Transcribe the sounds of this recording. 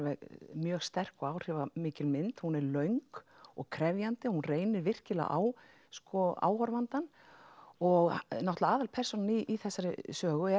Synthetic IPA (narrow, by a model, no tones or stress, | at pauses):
vɛɣmjœːɣst̪ɛr̥kɔɣaːwr̥ɪvamɪːcɪlmɪnt̪hunɛɾlœɥŋkɔ̰ɣkʰɾɛvjant̪ɪɔhunreːjnɪɾvɪr̥cɪla̰ʔa̰w | skɔa̰ːwhɔɾvant̪an | ɔɣnɔht̪laaːðalpʰɛr̥sɔnniʔːθɛsːaɾɪsœːɣʏɛ